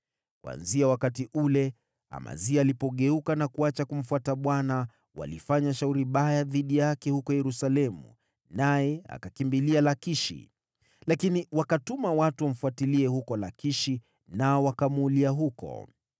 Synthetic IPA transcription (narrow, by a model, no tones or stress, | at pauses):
kwa̰nziawakatiʔulɛ | a̰ma̰ziaːlipɔɠɛukanakuat͡ʃakum̩fuataɓwana | wa̰lifaɲaʃauɾiɓajaðiɗijaakɛhukɔjɛɾusalɛmṵ | najɛa̰kakimbilialakiʃḭ | lakiniwakatumawatuwam̩fuatiliɛhukɔlakiʃi | naɔwakamuːliaɦukɔ̰